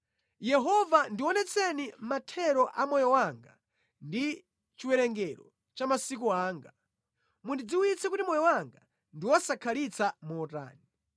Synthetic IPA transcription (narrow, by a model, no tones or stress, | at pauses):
jɛɦɔvandiwɔnɛt͡sʰɛnimatʰɛɾɔʔamɔjɔwaŋɡa | ndi | t͡ʃiwɛɾɛŋɡɛɾɔ̰ | t͡ʃamasik̬uaːŋɡa | mundid͡ziwit͡sɛkutimɔjɔwaŋɡa | ndiwɔsakʰalit͡sʰamɔːta̰ːni